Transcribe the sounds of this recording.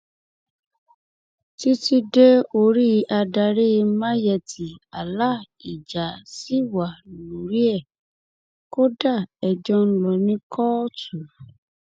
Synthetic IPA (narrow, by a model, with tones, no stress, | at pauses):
ti˦ti˧de˦o˧ɾi˦˧a˧da˧ɾe˦˧mã˦jɛ˧˨ti˨a˨la˦ | i˨d͡ʒa˨si˦wa˨lũ˨ɾi˦ɛ˦˨ | ko˦da˦˨ɛ˨d͡ʒɔ˧n̩˦lɔ˨˧nĩ˦kʰɔ˦tu˨